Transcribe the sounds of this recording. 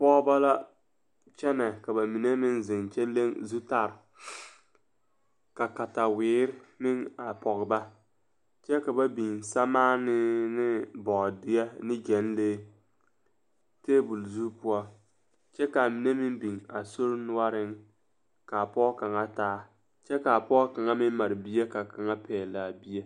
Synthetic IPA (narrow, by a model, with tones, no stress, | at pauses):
pɔː˦ba˦la˦ | t͡ʃɛ˦nɛ˨ka˨ba˨mi˨ne˦mɪ˦nzɪ˨ŋt͡ʃɛ˦le˦ŋzu˦ta˦˨ɾ | ka˨ka˨ta˨wɪː˨˦ɾmɪ˦ŋa˨pɔ˨ɣɪ˨ba˦ | t͡ʃɛ˦ka˨ba˦bi˨ŋsa˦maː˦nɪ˦nɪ˦bɔ˨dɪ˨ɛ˦nɪ˦d͡ʒɛ˨˦nleː˦ | teː˦bu˨lzu˦pʊ˦ɔ˦ | t͡ʃɛ˦ka˨mɪ˨˦ne˦mɪ˦ŋbi˨ŋa˨so˦ɾnʊ˦a˦ɾɪ˦ŋ | ka˨pɔː˦ka˨ŋa˦taː˦ | t͡ʃɛ˦ka˨pɔː˦ka˨ŋa˦mɪ˦ma˨ɾbi˦e˦ka˨ka˨ŋa˦pʰɛː˨la˨bi˦e˦